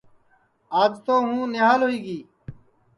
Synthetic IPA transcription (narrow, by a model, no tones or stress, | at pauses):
aːd͡ʒt̪oːɦũːnɪɦaːlɦʊiːɡiː